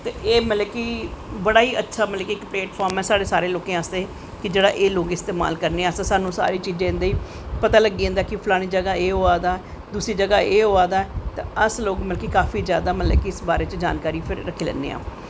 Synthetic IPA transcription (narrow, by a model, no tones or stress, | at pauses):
t̪eːʔeːməlɛːkiːbəɽaːiːʔətːʃʰaːmətlɛːkikːpleːʈpʰaːɾmɛːsaːɽeːsaːɾeːloːkẽasd̪eː | kɪd͡ʒeːɽa̰ːʔeːloːkɪst̪eːma̰ːlkəɾneːaːst̪ːsaːnũːsa̰ːɾiːt͡ʃiːd͡ʒẽɪ̃nd̪aːiː | pət̪aːləɡiːẽːnd̪aːkɪpʰlaːɽ̃iːd͡ʒəɡaːeːɦoːaːd̪aː | d̪uːsiːd͡ʒəɡaːʔeːɦoːaːd̪aːɛt̪ãəsloːkməlːkiːkaːfiːzjaːd̪aːmət̪lɛ̰kiɪsbaːɾeːt͡ʃd͡ʒa̰ːnkaːɾiːpʰɪɾːəkʰiːlɛ̰ːnːḛːa̰ː